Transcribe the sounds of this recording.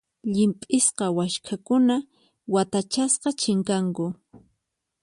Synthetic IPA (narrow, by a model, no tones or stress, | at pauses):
ʎɪmpʼɪsqɑwaʃkʰakʊna | wat̪at͡ʃasqɑt͡ʃɪŋkaŋkʊ